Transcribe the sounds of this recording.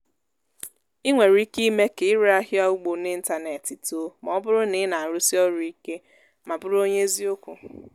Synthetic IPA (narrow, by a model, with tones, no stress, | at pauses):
i˦ŋʷe˨ɾi˦ki˦me˦ke˨ɪ˦ɾa˦ɦja˦u˦ɡ͡bo˨nɪ˦n̩˦ta˨ne˨ti˨to˨˦mɔ˦bʊ˦ɾʊ˦nɪ˨˦na˨ɾʊ˦si˦ɔ˦ɾʊ˨i˦ke˦ | ma˨bʊ˦ɾo˦ɲe˦e˦zi˦o˦kʷu˨